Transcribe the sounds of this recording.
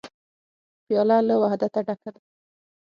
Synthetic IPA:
bjɑlɑlawahd̪at̪aɖakal

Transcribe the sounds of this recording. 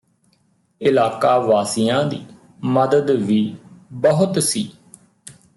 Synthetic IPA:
ɪlaːkaːʋaːsɪjãːd̪iː | məd̪əd̪ʋiːbəɦʊt̪siː

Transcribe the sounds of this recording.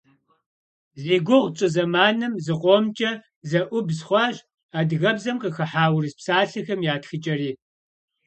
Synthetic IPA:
zeːɡʷʊʁʷt͡ʃʼɨzɐmaːnɨmzɨqʷʼomt͡ʃʼɐ | zɐʔʷʊbzχʷɑɕ | aːdɣɐbzɐmqəxɐħaːwrɨspsaːɬɨxɐmjaːtxɨt͡ʃʼɐɾiː

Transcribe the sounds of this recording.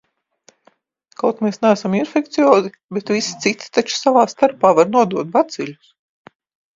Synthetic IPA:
kawt̪meːsnæːsaminfʲekt̪siɔːzi | bet̪vʲisi̥t̪sit̪i̥t̪at͡ʃu̥savaːst̪aɾpaːvaɾnuɔd̪uɔt̪̚bat̪silʲus

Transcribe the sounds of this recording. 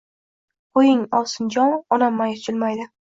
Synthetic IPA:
ʊjɪŋɒlˠsɪnd͡ʒɒnɒnamːajɪt͡ʃʰɪlmajd̪ɪ

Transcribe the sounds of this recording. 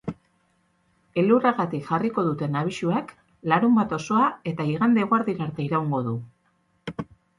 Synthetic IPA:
e̞luraɣat̪ikʝariko̞ðut̪e̞naβ̞iʃuak | laɾumbat̪o̞so̞ae̞t̪aiɣand̪eɣoaɾðiɾaɾt̪e̞iɾawŋɡo̞ðu

